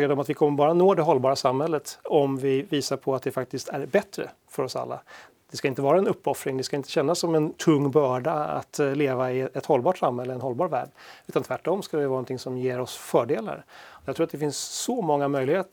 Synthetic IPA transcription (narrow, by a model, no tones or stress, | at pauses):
eːɖɔmat̪vɪkʰɔmːəɾbɑːɾanoːd̪ɛɦɔlːbɑːɾasamhɛlːət̪ɔmvɪviːsaɾpʰɔat̪̚d̪ɛfak̚t̪ɪst̪æɾbɛt̪ːɾə̰ | fœɾɔsa̰lːa̰ | d̪̥ɛskaɪnt̪əvɑːɾaɛnɵpːɔfɾɪŋd̪ɛskaɪnt̪əɕɛnːasːɔmɛnt̪ʰɵŋːbœːɖaa̰t̪leːvaɪɛt̪hɔlbɑːʈsamhɛlːəɛnhɔlbɑːɾvæ̰ːɖʉ̟ːt̪ant̪ʰvæʈːɔmskad̪ɛvɪvɑːɾnɔt̪ʰɪŋsɔmjeːɾɔsfœːɖeːla̰ɾɔjat̪ɾuːɾat̪d̪ɛfɪnsːɔmɔŋːamœjlɪheːt̪